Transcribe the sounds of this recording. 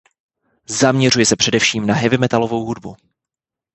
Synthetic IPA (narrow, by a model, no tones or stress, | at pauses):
zamɲɛrujɛsɛpr̝̥ɛdɛfʃiːmnaɦɛvɪmɛt̪alo̞vo̞wɦudbu